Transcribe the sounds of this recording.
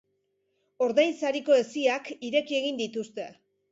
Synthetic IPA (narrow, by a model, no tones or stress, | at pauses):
o̞ɾðajnsaɾiko̞e̞siakiɾe̞kie̞ɣ̞ind̪it̪ust̪e̞